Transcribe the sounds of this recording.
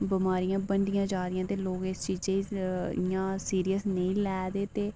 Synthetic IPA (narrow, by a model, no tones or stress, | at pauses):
bəmaːɾijãːbəɳɖɪjãːd͡ʒaːɾɪjãːt̪eːloːɡɪst͡ʃiːd͡ʒeːiɪjãːsiːɾijəsneĩːlɛːd̪eːt̪eː